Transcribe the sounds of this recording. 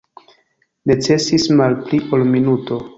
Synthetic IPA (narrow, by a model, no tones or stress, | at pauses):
ne̞t͡se̞sismalpliʔolminuto̞